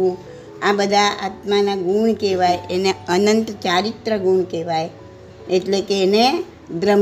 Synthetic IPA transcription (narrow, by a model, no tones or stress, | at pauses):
ũ | abəd̪ʱaa̰t̪manaɡuɳkeʋajeneənənt̪t͡ʃaɾit̪ɾəɡuɳkeʋaj | eʈlekeːne | d̪ɾəm